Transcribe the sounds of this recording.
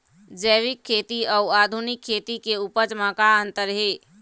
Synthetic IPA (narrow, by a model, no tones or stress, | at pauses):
d͡ʒəjʋikʰːet̪iəuad̪ʱunikʰːet̪ikeupət͡ʃmãkaənt̪əɾɦe